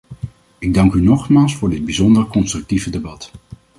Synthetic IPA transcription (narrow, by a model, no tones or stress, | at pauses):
ɪɡ̚dɑŋkynɔχmaːlˠsfʊːɹdɪd̚bizɔndəɹkɔnstrɵk̚tivədebɑt